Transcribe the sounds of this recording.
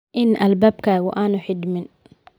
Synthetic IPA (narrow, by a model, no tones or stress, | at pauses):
ʔɪnʔɐlbaːbkʰaːɣʊʔaːnʊħɪd̪mɪn